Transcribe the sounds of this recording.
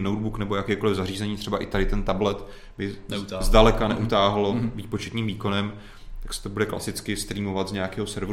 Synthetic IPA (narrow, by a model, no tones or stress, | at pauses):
nowd̪̚buknɛbo̞jakɛːko̞lɪvzariːzɛɲiːt̪r̥ɛbaʔɪt̪adɪt̪ɛnt̪ablɛt̪ | bɪzdalɛkanɛ̰ʔut̪aːɦloviːpo̞t͡ʃɛt̪ɲiːmviːko̞nɛm | t̪aksɛ̥t̪obudɛkla̰sɪt͡skɪst̪ɾiːmo̞vat̪zɲaakɛːɦo̞sɛɾvɾ